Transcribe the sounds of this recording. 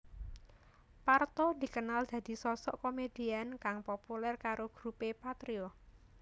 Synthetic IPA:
part̪ɔd̪̥i̤kənald̪̥ä̤d̪̥i̤sɔsɔ̰ʔkomed̪̥iankaŋpopulɛrkaɾʔoɡ̥ɾupepat̪ɾiɔ

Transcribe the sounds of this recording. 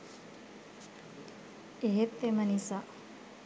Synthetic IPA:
eɦet̪ːemɐnisa

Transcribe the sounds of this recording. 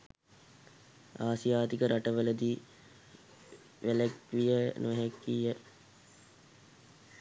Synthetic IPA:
aːsijaːt̪ikəɾʔaʈəʋələd̪i | ʋelæk̚ʋijənʔuɦekːijːə

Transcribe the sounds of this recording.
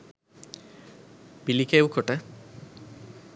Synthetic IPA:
pilikewkʰɔʈa

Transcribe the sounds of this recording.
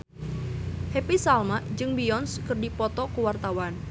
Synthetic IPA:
hepisalmaʔd͡ʒɨŋbiɔnskɨrdipɔt̪ɔkuwart̪awan

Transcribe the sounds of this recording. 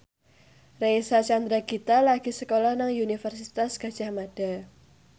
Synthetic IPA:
rejsat͡ʃand̪ɾaɡit̪alaɡ̥isəkolɔhnaŋjunifərsit̪asɡ̥a̤d̥ʒ̥a̤hmad̥a̤

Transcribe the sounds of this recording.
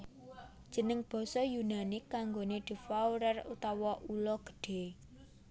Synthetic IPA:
d̥ʒ̥ə̤nəŋb̥ɔ̤sɔjunanɪkːaŋɡoned̪̥i̤fawɾərṵt̪ɔwɔʔulɔɡ̥ə̥̤ɖ̥e̤

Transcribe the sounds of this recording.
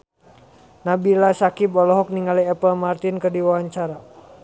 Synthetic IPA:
nabilasakibɔlɔɦɔk̚niŋaliɛpəlmart̪inkərdiwawaɲt͡ʃaɾa

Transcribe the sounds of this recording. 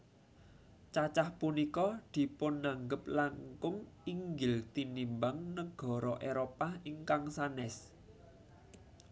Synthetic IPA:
t͡ʃat͡ʃahpunikɔd̪̥i̤pʊnːaŋɡəplaŋkʊŋiŋɡɪlt̪inimbaŋnəɡ̥ɔ̤ɾɔʔeɾopahiŋkaŋsanɛs

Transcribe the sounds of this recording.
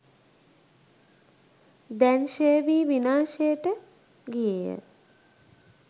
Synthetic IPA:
d̪ænʃejəʋiːʋinaːʃejəʈə | ɡijejə̰

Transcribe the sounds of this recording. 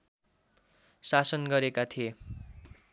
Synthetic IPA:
sasʌnɡʌɾekat̪ʰie

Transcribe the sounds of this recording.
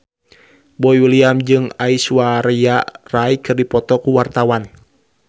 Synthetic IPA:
bɔiwiliamd͡ʒɨŋaisuwaɾiaraikɨrdipɔt̪ɔkuwart̪awan

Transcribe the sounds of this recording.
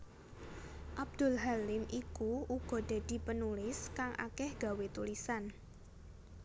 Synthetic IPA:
ʔab̚d̪̥ʊ̤lɦalɪmʔikuuɡ̥ɔ̤d̪̥a̤d̪̥i̤pənulɪskaŋʔa̰kɛhɡ̥ä̤wet̪ulisan

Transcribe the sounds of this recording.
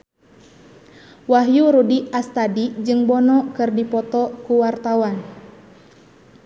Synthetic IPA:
waɦjuɾudiast̪adid͡ʒɨŋbɔnɔkɨrdipɔt̪ɔkuwart̪awan

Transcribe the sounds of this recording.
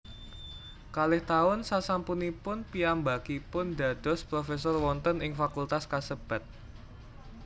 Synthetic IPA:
kalɪht̪aʊnsasampunipʊnpiambakipʊnda̤d̥ɔ̤spɾofesɔrwɔnt̪ənɪŋfakult̪askasəb̥a̤t̪̚

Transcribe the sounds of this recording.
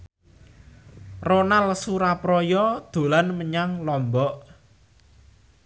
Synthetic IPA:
ronalsuɾapɾɔjɔd̪̥o̤lanməɲaŋlɔmbɔʔ

